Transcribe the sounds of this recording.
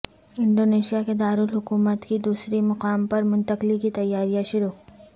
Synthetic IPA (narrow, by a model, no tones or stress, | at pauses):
ɪ̃ɳɖoːneːʃijaked̪aːɾʊlɦʊkuːmət̪kid̪uːsɾimɐqaːmpɐɾmʊ̃nt̪əqlikit̪ɐjːaːɾijãʃʊɾoːk